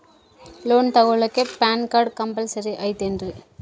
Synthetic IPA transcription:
loːnt̪ɐɣɔɭɐkːepaːnkaːɾɽkɐmbɐlsɐɾiʔɐɪt̪ːendrɯ

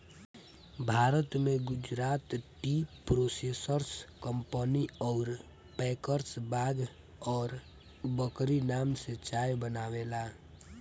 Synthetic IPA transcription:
bʱaːɾət̪meɡʊd͡ʒɾaːt̪ʈipɾosesəɾskəmpəniɔːɾ | pɛkəɾsbaɡ | ɔːɾ | bəkɾinamset͡ʃajbənaːwela

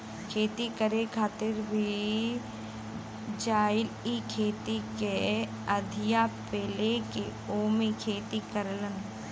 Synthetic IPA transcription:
kʰeːt̪ikəɾekʰaːt̪ɪɾbʱi | d͡ʒaːɪlikʰeːt̪ike | əd̪ʱɪjapeːleke | oːmikʰeːt̪ikəɾlən

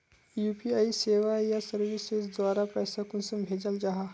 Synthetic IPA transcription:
juːpiaːiseːʋajasɐɾʋɪsezd̪waːɾapɛːsakʊnsəmbʱeːd͡ʒəld͡ʒaɦa

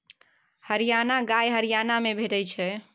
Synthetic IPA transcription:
həɾijanaɡajɦəɾijanamebʱeʈət͡ʃʰɛ

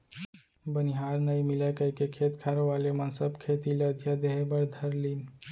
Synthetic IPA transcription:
bənɪɦaːɾnəĩmɪlakəikekʰet̪kʰaɾeʋaːlemənsəbkʰeːt̪iləd̪ʱjad̪eɦebəɾd̪ʱəɾliːn

